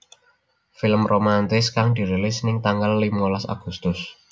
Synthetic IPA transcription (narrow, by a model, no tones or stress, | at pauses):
fɪləmrʔomant̪ɪskaŋd̪̥i̤ɾelɪsnɪŋt̪aŋɡalːimŋolasa̰ɡ̥ṳst̪ʊs